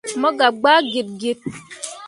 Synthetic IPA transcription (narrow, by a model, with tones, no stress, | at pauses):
mə˦ɡa˨p̚ɡ͡ba˦ɡe˨t̚ɡe˨t̚